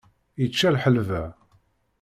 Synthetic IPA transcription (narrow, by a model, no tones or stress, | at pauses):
jət͡ʃːælħəlvæ